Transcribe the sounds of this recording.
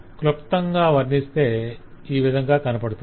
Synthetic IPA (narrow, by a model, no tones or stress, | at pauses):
klopt̪ːɐŋɡaːʋɐɾnist̪e̞ːiːʋid̪ʱɐŋɡaːkɐnɐpɐɽut̪u